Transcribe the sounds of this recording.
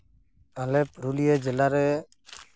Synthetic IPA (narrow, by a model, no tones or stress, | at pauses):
alɛpɾulijəd͡ʒɛlaɾɛ